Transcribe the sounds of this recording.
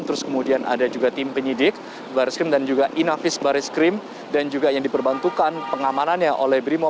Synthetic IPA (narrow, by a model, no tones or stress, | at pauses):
nt̪əɾʊskəmudianʔa̰dad͡ʒuɡat̪ɪmpəɲidɪk̚ | baɾiskɾɪmdand͡ʒuɡaʔinafɪsbaɾɪskɾɪm | dand͡ʒuɡajaŋdipərbant̪ukanpəŋamananɲaʔolɛhbɾimo